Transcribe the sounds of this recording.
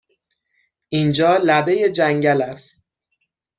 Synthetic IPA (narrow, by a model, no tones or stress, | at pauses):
ʔind͡ʒɒːlæbe̞je̞d͡ʒæŋɟælæst̪